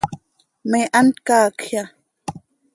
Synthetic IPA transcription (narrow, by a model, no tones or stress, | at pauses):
meʔant̪kaːkʰhja